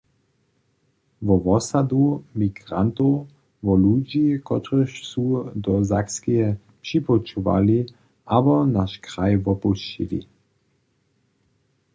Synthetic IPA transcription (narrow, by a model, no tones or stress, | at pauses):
ʋɔʋɔsad̪umiɡʁant̪ow | vɔlud͡ʒikɔt̪ʁəʃsud̪ɔzakskijɛ | pʃipɔt͡ʃuʋa̰li | abɔnaʃkʁajvɔpuʃt͡ʃḭlḭ